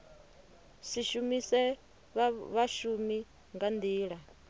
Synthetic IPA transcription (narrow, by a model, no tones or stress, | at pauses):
siʃumisɛ | βaʃumi | ŋɡand̪iːɺa